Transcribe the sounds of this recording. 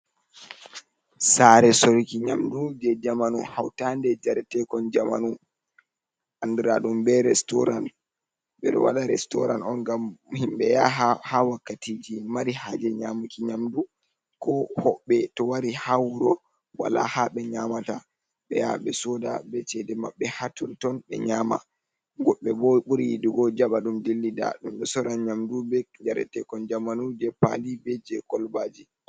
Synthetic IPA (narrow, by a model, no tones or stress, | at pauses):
saɾɛsɔɾikiɲamdud͡ʒɛd͡ʒamanuhawtandɛd͡ʒaɾɛtɛkɔnd͡ʒama̰nu | ʔandiɾaɗumbɛɾɛstɔɾa̰n | ɓɛɗɔ̰wa̰ɗaɾɛstɔɾanɔnɡamhimɓɛjahawakːatiːd͡ʒimaɾihad͡ʒɛɲamukiɲamdu | kɔhɔɓːɛtɔwaɾihawɾɔ | wa̰la̰haɓɛɲamata | ɓɛ̰jaɓɛsɔda̰bɛt͡ʃɛdɛmaɓːɛhatɔntɔnɓɛ̰ɲaːma̰ | ɡɔɓːɛbɔɓuɾiduɡɔd͡ʒaɓaɗumdilːida̰ɗumɓɛsɔɾanɲamdubɛd͡ʒaɾɛ̰tɛkɔnd͡ʒamanud͡ʒɛpa̰libɛd͡ʒɛkɔlbaːd͡ʒi